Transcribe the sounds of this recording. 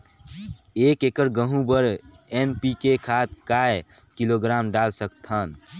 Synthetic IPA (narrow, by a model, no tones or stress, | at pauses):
ekekəɾɡəɦũbəɾ | enpikekʰat̪̚kae | kiloɡɾamɖalsəkt̪ʰən